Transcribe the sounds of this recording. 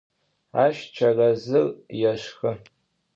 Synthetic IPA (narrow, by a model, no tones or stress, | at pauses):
aʃt͡ʃʷʰarazɨljaʃxɨ